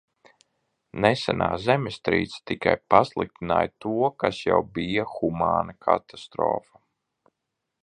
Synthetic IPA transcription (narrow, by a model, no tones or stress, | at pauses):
nɛsɛnaːzɛmʲɪst̪ɾḭːt̪sḁt̪ika̰jpaslˠik̚t̪ina̰ːjt̪uɔkasjawbijaxumaːnakʰa̰t̪ast̪ɾɔ̰ːfa